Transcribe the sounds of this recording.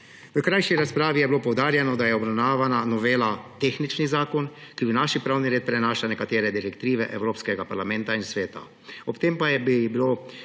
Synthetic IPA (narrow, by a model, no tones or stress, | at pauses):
ʋəkɾajʃiɾaspɾaːʋijɛbiloːpɔwd̪aːɾjɛnɔd̪ajɛɔbɾawnaːʋananɔʋeːlat̪exnit͡ʃnizaːkɔnkibinaːʃipɾaːwniɾeːt̪̚pɾɛnaːʃlanɛkat̪eːɾɛd̪iɾɛkt̪ɾiːʋɛʔɛwɾoːpskɛɡapaɾlamɛnt̪ainsʋeːt̪a̰ | ɔpt̪eːmpajɛbibiloː